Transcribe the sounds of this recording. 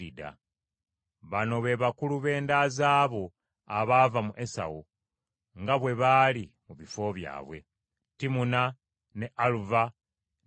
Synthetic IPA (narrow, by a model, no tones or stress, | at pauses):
ida̰ | βano̞βe̞βakuluβe̞ːndaːzaːβo̞ | aβaːvamuʔe̞sa̰wo | ŋɡaβwe̞βaːlimuβifo̞βja̰ːβwe̞̰ | timuna | ne̞ʔaluva